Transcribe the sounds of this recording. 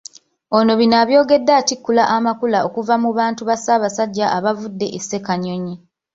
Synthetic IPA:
o̞no̞βinaːβjo̞ːɡe̞dːaːtikːulaʔamakulaokuvamuβaːntuβasaːβasaɟːaʔaβavudːe̞ʔesːe̞kaɲo̞ɲe

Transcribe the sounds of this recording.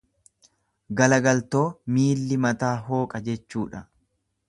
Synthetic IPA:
ɡɐlɐɡɐlt̪o̞ːmiːlːɪmɐt̪aːɦo̞ːkʼɐd͡ʒɛt͡ʃːuːᶑɐ

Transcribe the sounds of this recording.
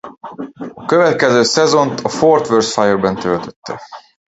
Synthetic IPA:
ɒkøvɛt̪̚kɛzøːsɛzo̞nt̪ʰɒfort̪ʋørsfajerbɛnt̪ølt̪øt̪ːɛ

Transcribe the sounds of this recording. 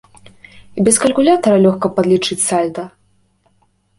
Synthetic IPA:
ibʲɛskɐlʲkulʲat̪ɐɾɐlʲɔxkɐpad̪lʲit͡ʂɨt͡sʲsalʲd̪ɐ

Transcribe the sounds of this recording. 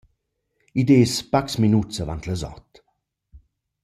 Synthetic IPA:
id̪eːspaksminusəva̰nt̪ləzɔ̰t̪

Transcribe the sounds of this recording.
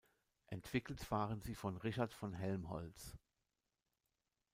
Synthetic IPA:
ʔɛntv̥ɪkl̩tv̥aːʁənziːfɔnʁɪʃatfɔnɦɛlmɦɔ̰lt͡s

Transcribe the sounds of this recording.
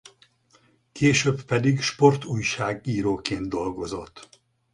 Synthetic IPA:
kʰeːʃøːbpɛd̪iɡʃpo̞rt̪uːjʃaːɡiːɾoːkeːnd̪̚d̪o̞lɡo̞zo̞̰t̪ː

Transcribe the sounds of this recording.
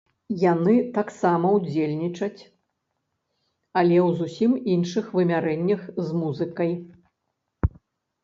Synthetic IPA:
janɨt̪aksamɐwd͡zʲelʲnʲit͡ʂɐt͡sʲ | ɐlʲɛwzusʲiminʂɨxvɨmʲaɾɛnʲːɐxzmuzɨkɐj

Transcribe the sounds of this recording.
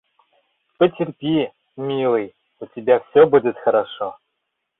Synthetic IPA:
pətʲɪrʲpʲi | mʲilˠɨj | ʊtʲɪbʲafsʲobudʲɪt̪xɐɾaʂo

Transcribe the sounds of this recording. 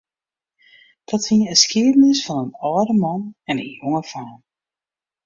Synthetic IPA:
d̥ɔtfinəəskɪədənɪsfɔnənɔːdəmɔnɛnə̰njoŋəfaːn

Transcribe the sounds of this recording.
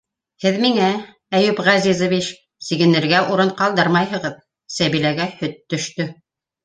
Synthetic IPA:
hɘðmiŋæ | æjʉpʁæzizŏvit͡ʃ | siɡɘ̆nɘ̆ɾɡæʔuɾɤɴqɑlˠd̪ɤɾmɑjɦɤ̆ʁɤð | sæβilæɡæhɵt̪ːɵ̆ʃt̪ɵ

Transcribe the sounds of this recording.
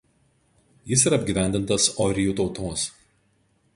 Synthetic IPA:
jɪs̬iːˑɾɐːbʲɡʲiːʋʲæˑnʲd̪ʲɪnt̪ɐsɔɾʲɪjuːt̪ɒʊt̪oːs

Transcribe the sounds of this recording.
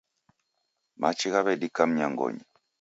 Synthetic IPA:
mat͡ʃiɣaβɛdikam̩ɲaŋɡɔ̰ɲi

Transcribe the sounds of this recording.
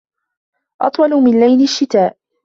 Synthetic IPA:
ʔɑ̰t̪ˤwɑlʊmɪnlajnɪʃːɪt̪aːʔ

